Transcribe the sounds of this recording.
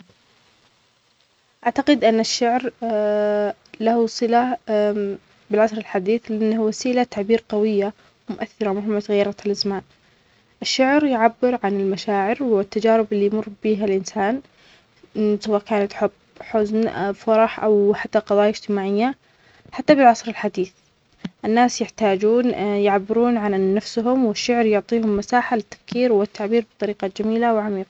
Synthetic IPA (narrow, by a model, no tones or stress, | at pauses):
ʔaʕt̪aqɪd̪ʔɪnːaʃːaʕɾ | lahusˤɨla | bɪlʕasɾɪlħad̪iːθlɪʔanːahwasiːlat̪aʕbiːɾqɑwɪjːa | wmʊʔaθːɪɾˤɑmʊhɪmːat̪ɣajːɑɾˤɑt̪halʔazmaːn | ʔɪʃːaʕɾjʕabːɪɾʕanɪlmaʃaːʕɪɾwɪt̪ːad͡ʒaːɾɪbɪlːijmʊrˤːbiːɦalʔɪnsaːn | sawaːʔkaːnat̪ħʊb | ħʊznfɑɾˤɑħʔa̰wħat̪ːaqɑðˤɑːjaɪd͡ʒt̪ɪmaːʕɪjːa | ħat̪ːabɪlʕɑsˤɾɪlħad̪iːθ | ʔɪnːaːsjɪħt̪aːd͡ʒuːnjɪʕabːɪɾuːnʕanːafsɦʊmwɪʃːʊʕɾjʊʕt̪ˤiːhʊmːasaːħalɪt̪ːḁfkiːɾwɪt̪ːaʕbiːɾbɨt̪ˤɑɾiːqɑd͡ʒamiːlawʕamiːqɑ